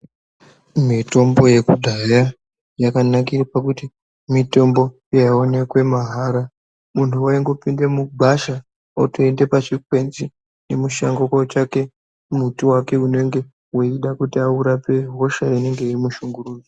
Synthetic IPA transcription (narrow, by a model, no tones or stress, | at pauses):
mito̞mbo̞je̞kudʱaja | jakanakirapakuti | mito̞mbo̞ | jaaone̞kwe̞maɦaɾa | muntʰuwaiŋɡo̞pindemuɡʱaʃa | otoende̞pat͡ʃikwe̞nzi | ne̞muʃa̰ŋɡokot͡ʃake̞ | mutiwake̞une̞ŋɡe̞ | woiɗakutiauɾape̞ɦo̞ʃaine̞ŋɡe̞irimuʃuŋɡuruːd͡zo